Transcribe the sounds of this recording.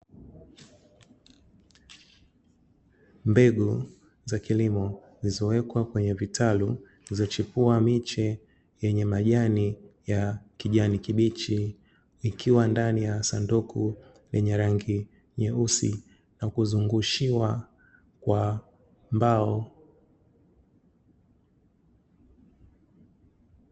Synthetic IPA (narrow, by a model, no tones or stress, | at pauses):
mbɛɡu | zakilimɔ | zizɔwɛkwakwɛɲɛvitʰalu | izɔt͡ʃipuamit͡ʃɛ | jɛɲɛmaʄanijakiʄanikiɓit͡ʃi | ikʰiwandanijasanduku | lɛɲɛɾaŋɡi | ɲɛusḭ | nakuzuŋɡuʃiwa | kwa | mbaɔ